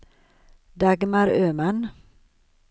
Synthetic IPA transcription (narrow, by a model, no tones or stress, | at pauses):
d̪aɡmaɾøːman